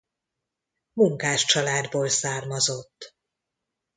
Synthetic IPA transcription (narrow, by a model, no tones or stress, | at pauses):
muŋkaːʃt͡ʃɒlaːd̪boːlsaːrmɒzo̞t̪ː